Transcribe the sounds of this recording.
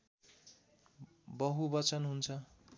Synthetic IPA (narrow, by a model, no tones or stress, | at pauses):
bʌɦubʌt͡sʌnɦunt͡sʰʌ